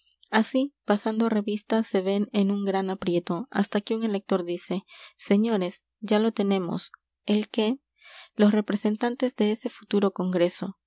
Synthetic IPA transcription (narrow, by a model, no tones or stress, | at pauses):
asipasand̪o̞re̞βist̪ase̞βe̞ne̞nuŋɡɾanapɾje̞t̪o̞a̰st̪akeuŋe̞le̞k̚t̪o̞ɾðise̞ːe̞ɲo̞ɾe̞s | d͡ʒalo̞t̪e̞ne̞mo̰s | elke̞ | lo̞sre̞pɾe̞se̞nt̪ant̪e̞zd̪e̞ese̞fu̥t̪uɾo̞ko̞ŋɡɾe̞so̞